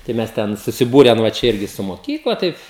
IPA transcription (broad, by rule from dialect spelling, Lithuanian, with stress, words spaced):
tɐɪ ˈmʲɛs ˈtʲɛn sʊsʲɪˈbuːrʲɛn ʋɐ ˈt͡ʃʲɛ ˈɪrʲɡʲɪ sʊ moːˈkʲiːklˠɐ ˈtɐɪp